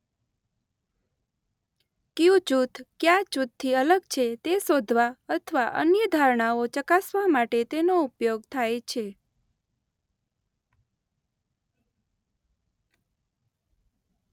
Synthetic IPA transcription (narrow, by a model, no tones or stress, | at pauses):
kiũt͡ʃut̪ʰkjat͡ʃut̪ʰːiələɡt͡ʃʰet̪esod̪ʱʋaət̪ʰəʋaʔə̰njəd̪ʱaɾɳaot͡ʃəkasʋamaʈet̪enoupjoɡt̪ʰajt͡ʃʰe